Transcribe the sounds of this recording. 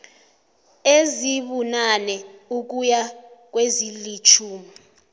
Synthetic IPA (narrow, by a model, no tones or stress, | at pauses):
eziɓunanɛuk̬ujak̬wezilit͡ʃʰuːmi